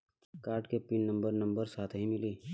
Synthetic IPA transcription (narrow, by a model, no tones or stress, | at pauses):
kaːɾʈkepɪnːɐ̃mbəɾnɐ̃mbəɾsaːt̪ʰɦĩmɪliː